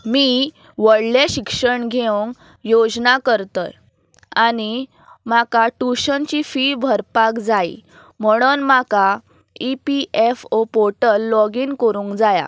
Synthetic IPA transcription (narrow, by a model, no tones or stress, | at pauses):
miː | ʋəɽleɕikʂəɳɡʱeəŋk | jod͡znakəɾt̪ət | añi | makaʈuɕənt͡ɕifibʱəɾpakd͡zaḭ | m̤əɽ̃unmaka | ipiʔefopoʈəlːɔɡiːnkoɾũːŋkd͡zaja̰